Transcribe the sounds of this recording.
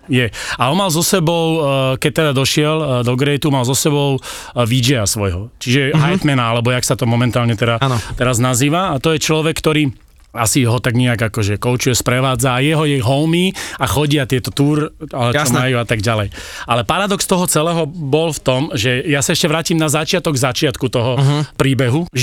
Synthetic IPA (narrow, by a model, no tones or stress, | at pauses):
jɛaɔnmalzɔsɛbɔʊkɛc̚t̪ɛd̪ad̪ɔʃɪɛld̪ɔɡɾɛjt̪umalzɔsɛbɔʊ | ʋid͡ʒɛasʋɔjɦɔt͡ʃiʒɛɦajt̪mɛnaalɛbɔjaksat̪ɔmɔmɛnt̪aːlɲɛt̪ɛɾat̪ɛɾaznaziːʋaːt̪ɔjɛt͡ʃlɔʋɛkːt̪ɔɾiː | asiɦɔt̪aɡɲɛaɡakɔʒɛkɔʊt͡ʃujɛspɾɛʋaːd͡zaːjɛɦɔjɛjɦɔʊmiaxɔɟɪat̪ɪɛt̪ɔt̪uːɾaɔmmajuat̪aɡɟalɛjalɛpaɾad̪ɔkst̪ɔɦɔt͡sɛlɛːɦɔbɔlft̪ɔmʒɛjasaɛʃcɛʋɾaːciːmnazat͡ʃɪat̪ɔɡzat͡ʃɪat̪kut̪ɔɦɔpɾiːbɛɦuʒ